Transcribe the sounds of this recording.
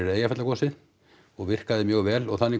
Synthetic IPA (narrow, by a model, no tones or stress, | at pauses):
ɪɾeːjafɛt̪lakʰɔsɪ | ɔɣvɪr̥kaðɪmjœːɣvɛːlɔɣθanːɪ